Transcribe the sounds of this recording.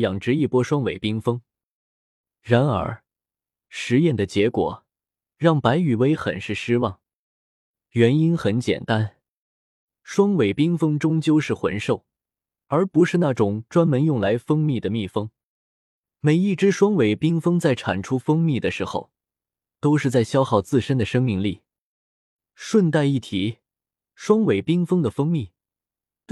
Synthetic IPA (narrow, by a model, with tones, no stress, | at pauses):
jɑ˨˩ŋʈ͡ʂɻ̩˧˥i˥˩pwɔ˥ʂwɑ˥ŋwe˨˧˩ɪpi˥ŋfɤ˥ŋ | ɻa˧˥nə̰˞˧˥ | ʂɻ̩˧˥jɛ˥˩nd̪ə˩t͡ɕjɛ˧˥kwɔ̰˨˩ | ɻɑ˥˩ŋpa˧˥ɪy˨˩we˥ɪxə̰˨˩nʂɻ̩˥˩ʂɻ̩˥wɑ˥˩ŋ | ɥɛ˧˥ni˥nxə˧˥nt͡ɕjɛ̰˨˩nt̪a˥n | ʂwɑ˥ŋwe˨˩ɪpi˥ŋfɤ˥ŋʈ͡ʂʊ˥ŋt͡ɕjo˥˧ʊʂɻ̩˥˩xwə̰˧˥nʂo˥˩ʊ | ə˞˧˥pu˧˥ʂɻ̩˥˧na˥˩ʈ͡ʂʊ˨˩ŋʈ͡ʂwa˥nmə˧˥njʊ˥˩ŋla˧˥ɪfɤ˥ŋmi˥˩d̪ə˩mi˥˩fɤ˥ŋ | me˧˨˩ɪi˥˩ʈ͡ʂɻ̩˥ʂwɑ˥ŋwe˨˩ɪpi˥ŋfɤ˥ŋt͡sa˥˩ɪʈ͡ʂʰa̰˨˩nʈ͡ʂʰu˥fɤ˥ŋmi˥˩d̪ə˩ʂɻ̩˧˥xo̰˥˧ʊ | t̪o˥ʊʂɻ̩˥˧t͡sa˥˩ɪɕjɑ˥ʊxɑ˥˧ʊt͡sɹ̩˥˧ʂə˥nd̪ə˨ʂɤ˥ŋmi˥˧ŋli˥˩ | ʂwə˥˧nt̪a˥˧ɪi˥˩t̪ʰi˨˩˦ | ʂwɑ˥ŋwe˨˩ɪpi˥ŋfɤ˥ŋd̪ə˨fɤ˥ŋmi˥˩